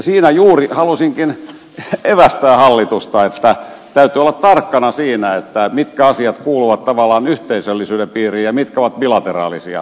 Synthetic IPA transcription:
siːnæjuːrihɑlusiŋkin | eʋæst̪æːhɑlːit̪ust̪ɑet̪ːæ | t̪æyt̪yːolːɑt̪t̪ɑrkːɑnɑsiːnæet̪ːæmit̪kæɑsiɑt̪kuːluʋɑt̪t̪ɑʋɑlːˑɑːnyht̪eisølːisyːdempiːriːjɑmit̪kæoʋɑt̪̚bilɑt̪erɑ̰ːlisiɑ̰

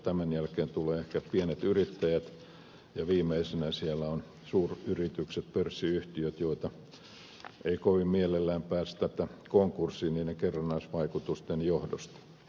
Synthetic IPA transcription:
t̪æmænjælkeːnt̪uleːehkæpienet̪yrit̪ːæjæt̪ | jɑʋiːmeisenæsielːæon | suːryrit̪ykset̪pørsːiyht̪iøt̪joit̪ɑ | eikoʋimmielelːæːmpæːst̪æt̪ækoŋkursiːniːneŋkerːɑnːɑisʋɑikut̪ust̪enjohdo̰st̪ɑ̥

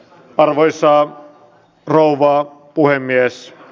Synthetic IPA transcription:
ɑrʋojsɑː | rouʋɑː | puhemːies

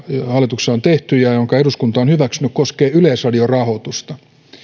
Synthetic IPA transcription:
hɑlːˑit̪ukseont̪eht̪yjɑjoŋkɑeɾuskunt̪ɑonhyʋæksynykkoskeːyleːsrɑdiorɑhot̪ust̪ɑ

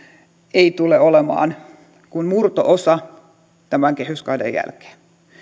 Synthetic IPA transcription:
eit̪uleolemɑ̰ːn | kunmurt̪oʔosɑ | t̪æmæŋkehyskɑidḛjæ̰lke̥ːn

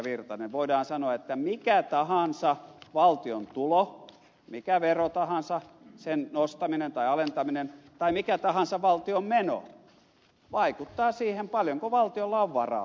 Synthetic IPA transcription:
ʋirt̪ɑneʋʋoidɑːnsɑnoɑet̪ːæmikæt̪ɑhɑnsɑʋɑlt̪iont̪ulo | mikæʋerot̪ɑhɑnsɑsennost̪ɑminent̪ɑiɑlent̪ɑminent̪ɑimikæt̪ɑhɑnsɑʋɑlt̪iommeno̰ | ʋɑikut̪ːɑːsiːhempɑljoŋkoʋɑlt̪iolːɑoʋʋɑrɑ̰

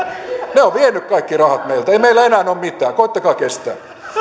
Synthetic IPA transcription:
neoʋʋienːˑykkɑikːirɑhɑt̪meilt̪eimeilːˑæenæːnommit̪æːkoit̪ːɑkɑːkest̪æ̰ː

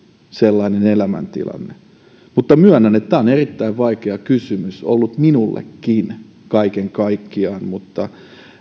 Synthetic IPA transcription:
selːɑinenelæmæ̰nt̪ḭlɑ̰nːe | mut̪ːɑmyøɑnːænet̪t̪æːˑonerit̪ːæiʋʋɑikeɑkysymyso̰lːut̪minulːḛkːin | kɑikeŋkɑikːiɑːnmut̪ːɑ

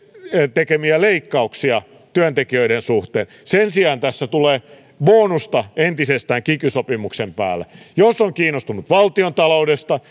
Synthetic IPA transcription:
t̪ekemiæleikːɑuksiɑ | t̪yønt̪ekiøiɾensuht̪eːn | sensiɑːnt̪æsːæt̪uleː | ʋoːnust̪ɑent̪isest̪æːŋkikysopimuksempæ̰ːlːˑæ̰josːoŋkiːnːˑost̪unut̪ʋɑlt̪iont̪ɑloudest̪ɑ

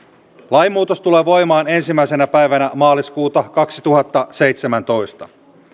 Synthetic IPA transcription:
lɑjmːuːt̪ost̪ule̞ːʋo̞jmɑːne̞nsimːæise̞næpæjʋænæmɑːliskuːt̪ɑkɑksit̪uɦɑt̪ːɑse̞jt̪se̞mænt̪o̞jst̪ɑ

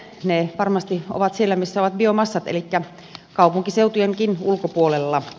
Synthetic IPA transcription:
neʋɑrmɑst̪io̰ʋɑt̪sielːæmisːæoʋɑt̪̚biomɑsːɑt̪ḛlikːæ | kɑupuŋkiseut̪ujeŋkinulkopuolelːɑ

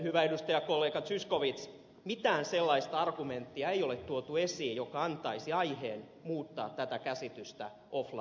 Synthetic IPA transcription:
hyʋæedust̪ɑjɑkolːeːkɑt̪syskoʋit̪s | mit̪æːnselːɑist̪ɑrɡument̪ːiɑeijolet̪t̪uot̪uesiːjjokɑɑnt̪ɑisiɑiheːn | muːt̪ːɑ̰ːt̪tæt̪ækæsit̪yst̪æ | ʔoflɑ̰

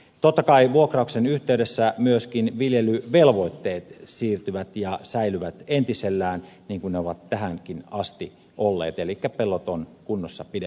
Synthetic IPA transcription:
t̪ot̪ːɑkɑiʋuokrɑuksenyht̪eydesːæmyøskinʋiljelyʋelʋo̞it̪ːeːt̪siːrt̪yʋæt̪jɑsæilyʋæt̪ent̪iselːæːn | niːŋkunneoʋɑt̪ːæɦæŋkinɑst̪i | ʔolːḛːt̪elikːæpelːot̪onkunːosːɑpide

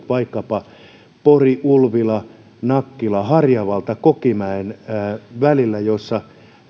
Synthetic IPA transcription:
pɑikːɑpɑ | poriʔulʋilɑ | nɑkːilɑhɑrjɑʋɑlt̪ɑkokimæenːʋælilːæjosːɑ

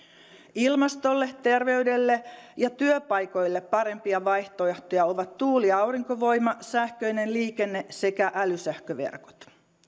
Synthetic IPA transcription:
ilmɑst̪o̞lːet̪e̞rʋe̞yde̞lːejɑt̪yøpɑjko̞jlːepːɑɾe̞mpiɑʋɑjht̪oeht̪ojɑo̞ʋɑt̪ːuːliɑwriŋkoʋo̞jmɑsæhkø̞jne̞nliːke̞nːe̞sekæʔælysæhkøʋḛrko̥t̪

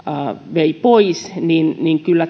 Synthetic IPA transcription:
ʋeipoisninniŋkylːæ

